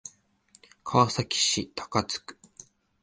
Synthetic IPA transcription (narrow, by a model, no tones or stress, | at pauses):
kʰaβːsakʲi̥ɕit̪ʰḁkat͡sɨ̥kɯ̥